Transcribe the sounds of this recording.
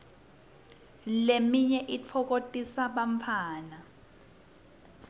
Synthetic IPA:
lemiɲɛʔit͡fʰɔk̬otʼisaɓaɱfʰaːna

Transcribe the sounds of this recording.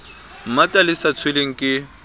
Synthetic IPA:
m̩matʼalɪsat͡sʰweleŋ̩kʼɪ

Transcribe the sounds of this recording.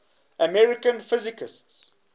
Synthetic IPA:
ʔəmɛɹɪkə̃nfɪzɪkɪsts

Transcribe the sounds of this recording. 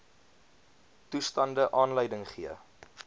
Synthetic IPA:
tustɐndəʔɑːnləjdəŋχiə

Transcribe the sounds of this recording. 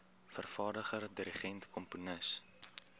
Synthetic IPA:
fərfɑːrdəχərdiɾiχɛntkʰɔmpunəs

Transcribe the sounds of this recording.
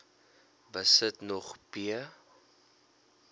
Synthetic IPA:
vɐsətnɔχpiə

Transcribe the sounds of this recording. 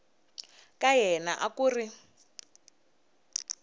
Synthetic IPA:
kajɛnaʔakuːri

